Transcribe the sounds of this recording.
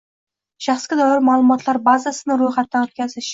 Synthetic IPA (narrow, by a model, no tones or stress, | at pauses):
ʃaχsɡʲad̪ɒɪɾmalˠʊmɒt̪ʰlaɾbazasɪnɪɾojχat̪ːaɵt̪̚kʲʰazɪʃ